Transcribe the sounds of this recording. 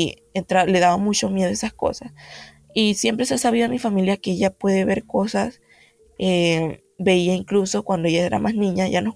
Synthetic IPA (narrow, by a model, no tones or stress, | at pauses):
ent̪ɾale̞ðaβamut͡ʃo̞mje̞ðoesasko̞̰sas | isje̞mpɾesasaβiðoamifamiljakeeʝapwe̞ðe̞βe̞ɾko̞sas | e | be̞iaiŋkluso̞kwand̪o̞eʝae̞ɾa̰mʔasnĩɲaʝanos